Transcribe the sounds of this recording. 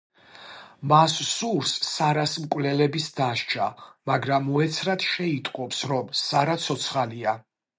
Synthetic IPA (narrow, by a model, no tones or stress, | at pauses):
masːuɾsːaɾasmkʼwvlɛlɛbisd̪aʃt͡ʃʰa̰maɡɾamuɛt̪sʰɾad̪ʃɛit̪ʼqʼɔpsɾɔmsaɾat̪sʰɔt̪sʰχalia